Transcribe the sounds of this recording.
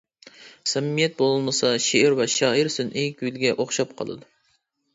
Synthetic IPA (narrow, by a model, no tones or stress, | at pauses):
sɛmːijɛt̪̚bolˠɨlˠmɨsɑʃeʔɪɾvɛʃɑːiɾsynʔekʲylɡʲɛʔoχʃɑp̚qʰɑ̰lˠɨ̰d̪u